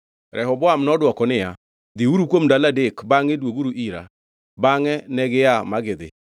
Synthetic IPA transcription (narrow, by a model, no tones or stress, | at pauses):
ɾʔɛɦɔbɔamnɔdwɔkɔnɪja | ðiuɾukwomdaladekbaŋedwoɡuɾuʔiɾa̰ | baŋɛnɛɣɪjamaɣeðɪ̰